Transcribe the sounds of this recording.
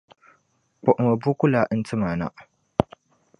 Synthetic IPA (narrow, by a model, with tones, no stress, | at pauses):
k͡pɔ˨ʔma˨bu˦kʷʊ˦laː˨ʔɪ˦ntɪ˦maː˨na̰˦ʔ